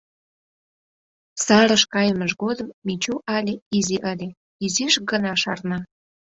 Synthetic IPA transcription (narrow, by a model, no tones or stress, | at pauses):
sɑɾə̆ʃkɑjəməʃɣod̪əmːit͡ɕuʔɑlʲeiziʔəlʲe | iziʃɡənɑʃɑ̰rnɑ